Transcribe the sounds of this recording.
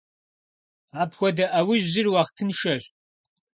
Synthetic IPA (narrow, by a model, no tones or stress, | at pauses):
aːpxʷɔdɐʔɐwɪʑʑɪrwɑːχtʰɨnʃɐɕ